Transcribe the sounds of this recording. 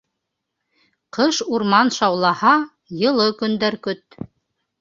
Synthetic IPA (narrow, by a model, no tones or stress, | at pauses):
qʰɤʃuɾmɑnʃɑwlˠɑhɑ | jɤ̆lˠɤkɵ̆nd̪æɾkɵt̪̚